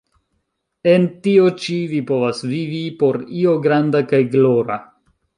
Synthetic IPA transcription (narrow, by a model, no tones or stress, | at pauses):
e̞ntio̞t͡ʃivipo̞vasvivipo̞ɾio̞ɡɾandakajɡlo̞ɾa̰